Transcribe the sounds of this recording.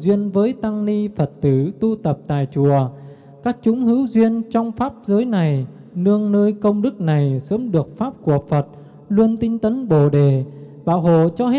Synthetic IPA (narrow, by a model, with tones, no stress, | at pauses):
zwi˧ənvəː˨˦jt̪a˧ŋni˧fə˨˩t̚t̪ɨ˧˩t̪u˧t̪ə˨˩p̚t̪a̰ː˧˨jt͡ɕu˧˩ə | kaː˦˥k̚t͡ɕʊ˨˦ŋ͡mhɨ˨˦wzwi˧ənt͡ɕɔ˧wŋ͡mfaː˦˥p̚zəː˨˦jna˨˩j | nɨ˧əŋnəː˧jkə˧wŋ͡mɗɨ˦˥k̚na˨˩jsəː˨˦mɗɨ˨˩ək̚faː˦˥p̚ku˧˩əfə˨˩t̚ | lu˧ənt̪ï˧ŋ̟t̪ə˨˦nɓo˧˩ɗe˨˩ | ɓaː˧˩wɦo̰˧˨t͡ɕɔ˧he˦˥